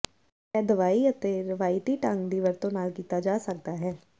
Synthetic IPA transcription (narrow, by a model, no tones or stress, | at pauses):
ɛːd̪əʋaːiːət̪eːɾɪʋaːɪʈiːʈə̃ŋɡd̪iːʋəɾt̪õːnaːlkiːt̪aːd͡ʒaːsək̚d̪aːɦɛː